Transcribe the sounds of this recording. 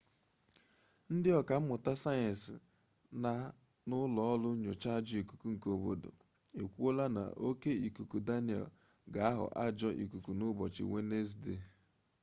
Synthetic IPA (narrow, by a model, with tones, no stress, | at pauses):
n̩˦dɪ˦ɔ˨ka˨m̩˦mʊ˨ta˦sa˦jɪ˨s | na˦ | nʊ˦lɔ˦ɔ˦lʊ˦ɲʊ˨t͡ʃa˦d͡ʒi˦i˨ku̥˨ku˦ŋ̩˨ko˨bo̰˨do̰˨ | e˨kʷu˦o˦la˦na̰˨ʔo˦ke˦i˨ku˨ku˨da˦ni˨ɛ̰˨l | ɡa˨˦a˦ɦʊ̰˨ʔa˦d͡ʒɔ˦ʔḭ˨ku˨ku˨nʊ˦bɔ˨t͡ʃɪ̰˨we˦ne˦z̬de˨